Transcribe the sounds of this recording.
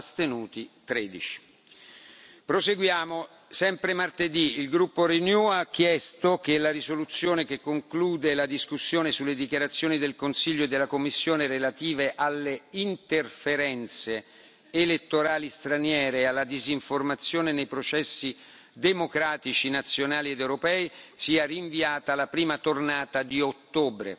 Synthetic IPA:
st̪enuːt̪it̪ɾeːd̪it͡ʃi̥ | pɾoseɡwjaːmo | sɛmpɾemart̪ed̪iilɡɾupːoɾenjuak̟ːjɛst̪ok̟elaɾisolut̪sːjoːnek̟ekːoŋkluːd̪elad̪iskusːjoːnesulːed̪ikjaɾat̪sːjoːnid̪elkonsiʎːoed̪ːelakomːisːjoːneɾelat̪iːveʔalːeint̪erfeɾɛnt̪seː | let̪ːoɾaːlist̪ɾanjɛːɾealːad̪iziɱformat̪sːjoːnenejpɾot͡ʃɛsːi | d̪emokɾaːt̪it͡ʃinat̪sːjonaːlied̪ewɾopɛːisiːariɱviaːt̪alapɾiːmat̪ornaːt̪ad̪iot̪ːoːbɾḛ

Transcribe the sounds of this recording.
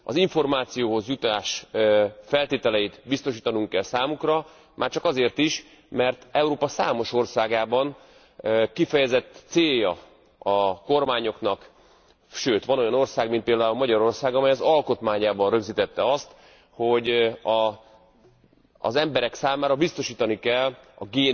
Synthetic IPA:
ɒziɱfo̞rmaːt̪sijoːɦo̞zjut̪aːʃ | fɛlt̪eːt̪ɛlɛjit̪bist̪o̞ʃiːt̪ɒnuŋkːɛlsaːmukrɒ | mʔaːrt͡ʃɒkɒzeːrt̪iʃ | mɛrt̪ɛuɾoːpɒsa̰ːmo̞ʃo̞rsaːɡaːbɒn | kifɛjɛzɛt̪ːseːjɒ | ɒko̞rmaːɲo̞knɒk | ʃøːt̪ʋɒno̞jɒno̞rsaːɡmint̪peːld̪aːulmɒɟɒɾo̞rsaːɡɒmɛjɒzɒlko̞t̪maːɲaːbɒnrø̞ɡziːt̪ɛt̪ːɛɒst̪ | ho̞ɟɒ | zɛmbɛɾɛksaːmaːɾɒbist̪o̞ʃiːt̪ɒnikɛlɒ̰ɡeː

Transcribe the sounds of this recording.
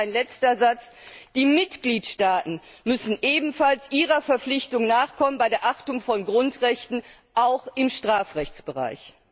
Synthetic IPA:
ɪnlɛt͡stɐzat͡sd̥iːmɪtɡ̥liːtʃtaːtn̩ | mʏsn̩ʔeːbm̩falsʔiːʁɐfɛɐflɪçtʊŋnaːχkʰɔmənbaɪdeːɐʔaχtʊŋfɔnɡʁʊntʁɛçtn̩ | ʔaʊxɪmʃtʁ̥aːfʁɛçt͡sb̥əʁa̰ɪç

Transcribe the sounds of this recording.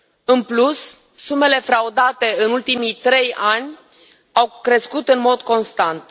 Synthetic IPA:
ɨnplusː | ume̞le̞fɾaud̪at̪e̞ɨnult̪imijt̪ɾe̞janʲ | awkɾe̞skut̪ɨnmo̞d̪ko̞nst̪ant̪

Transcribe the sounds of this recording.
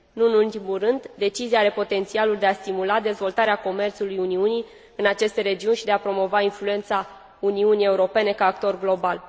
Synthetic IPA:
nuɨnult̪imulrɨnd̪d̪e̞t͡ʃizijaaɾe̞po̞t̪e̞nt̪sialuld̪e̞ast̪imulad̪e̞zvo̞lt̪aɾeako̞me̞rt̪sulujuniunij | ɨnat͡ʃe̞st̪e̞ɾe̞d͡ʒiunʃid̪e̞apɾo̞mo̞vainflue̞nt̪sa | uniunije̞uɾo̞pe̞ne̞kaːk̚t̪o̞rɡlo̞bal

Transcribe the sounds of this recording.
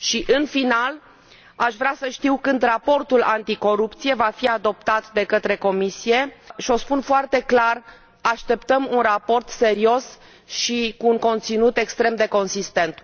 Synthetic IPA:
ʃiʔɨnfinal | aʃvɾeasəʃt̪iwkɨnd̪rapo̞rt̪ulant̪iko̞ɾupt̪sije̞vafiad̪o̞p̚t̪at̪d̪e̞kət̪ɾe̞ko̞misije̞ʃio̞spunfoart̪e̞klar | aʃt̪e̞pt̪əmunrapo̞rt̪se̞ɾio̞s | ʃikuːŋko̞nt̪sinut̪e̞kst̪ɾe̞md̪e̞ko̞nsist̪e̞nt̪

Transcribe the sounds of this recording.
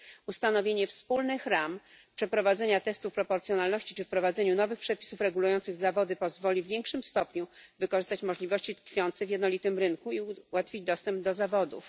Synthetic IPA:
ust̪anɔvʲjeɲɛfspulnɘxɾam | pʂɛpɾɔvad̪zɛɲat̪ɛst̪ufpɾɔpɔɾtsʲjɔnalnɔɕt͡ɕit͡ʂɘfpɾɔvad̪zɛɲunɔvɘxpʂɛpʲi̥sufɾɛɡulujɔnt̪sɘɣzavɔd̪ɘpɔzvɔlʲivʲːjeŋkʂɘmst̪ɔpɲuvɘkɔʐɘst̪at͡ɕmɔʐlʲivɔɕt͡ɕit̪kfʲjɔnt̪sɛvʲjɛd̪nɔlʲit̪ɘmɾɘnkuiwat̪fʲid͡ʑd̪ɔst̪ɛmb̚d̪ɔzavɔd̪ṵf

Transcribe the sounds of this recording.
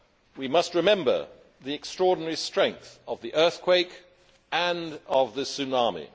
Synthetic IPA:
wimʌst̚ɹɨmɛ̃mbə̰ | ðiɨkstɹ̥ɔɹdⁿn̩ɛɹistɹ̥ɛ̃ŋk̚θəvðiʔɜ˞θkʰw̥eɪk | ə̃nʌvðɨsʉnɑmḭ

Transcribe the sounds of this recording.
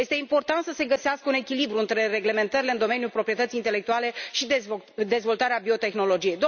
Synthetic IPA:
jest̪e̞impo̞rt̪ant̪səse̞ɡəseaskəune̞kʲilibɾuɨnt̪ɾe̞re̞ɡle̞me̞nt̪əɾile̞ɨnd̪o̞me̞njulpɾo̞pɾije̞t̪ət̪sint̪e̞le̞k̚t̪uale̞ʃid̪e̞zvo̞lt̪aɾeabio̞t̪e̞xno̞lo̞d͡ʒije̞jd̪o

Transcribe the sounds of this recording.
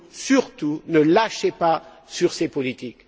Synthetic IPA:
syʁt̪unəlaʃepa | syʁsepɔlit̪ik

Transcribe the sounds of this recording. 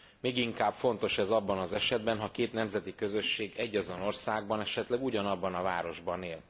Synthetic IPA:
meːɡiŋkaːbfo̞n̪t̪o̞ʃɛzɒbːɒnɒzɛʃɛd̪̚bɛnɦɒkeːt̪nɛmzɛt̪ikø̞zø̞ʃːeːɡɛɟːɒzo̞no̞rsaːɡ̚bɒnɛʃɛt̪lɛɡuɟɒnɒbːɒnɒva̰ːɾo̞ʒbɒneːl

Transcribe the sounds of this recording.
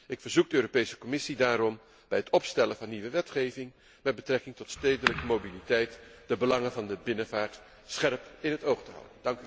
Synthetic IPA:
ʔɪkfəɹzuk̚dəøːɾopejsə̥kɔmɪsidaːɾɔm | b̥ɛjɦətɔpstɛləvɑnːiʋəʋɛtχejvɪŋ | mɛd̚bətrɛkɪŋtɔtstejdələkəmobilitɛjtd̥əbəlɑŋənvɑndəbɪnəvaːɹt | sχɛrpɪnɦətowχtəɦɑ̰wdəndɑŋk

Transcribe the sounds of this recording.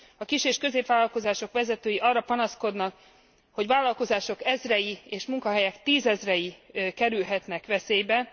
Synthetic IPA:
ɒkiʃeːʃkøzeːpʋaːlɒlko̞zaːʃo̞kʋɛzɛt̪øːjiʔɒrːɒpɒnɒsko̞d̪nɒk | ho̞ɟʋaːlːɒlko̞zaːʃo̞kɛzrɛjieːʃmuŋkɒɦɛjɛkt̪iːzɛzrɛjikɛɾylɦɛt̪nɛkʋɛseːjbɛ

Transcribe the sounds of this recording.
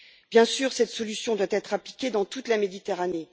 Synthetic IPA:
b̥jɛ̃syːʁsɛt̪sɔlysjɔ̃d̪wat̪ɛt̪χaplikʲed̪ɑ̃t̪ut̪lamed̪it̪eʁane

